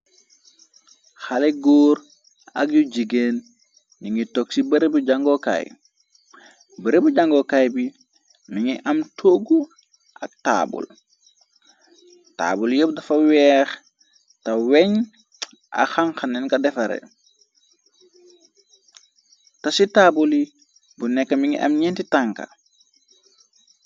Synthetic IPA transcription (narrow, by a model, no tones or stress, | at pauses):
xaleɡoːɾ | a̰k̚juɟiɡeːn | niŋitoksibɐɾebuɟaŋɡoka̰j | bɐɾebuɟaŋɡokajbi | miŋiʔamtʰoɡu | ʔak̚ta̰bṵl | ta̰ːbuljob̚dɐfɐwɛːx | tɐweɲ | ʔa̰xaŋxanːɛnkɐdɛfɐɾḛ | tasitabuli | bunɛkːamiŋḭʔɐ̰mɲentitaŋka̰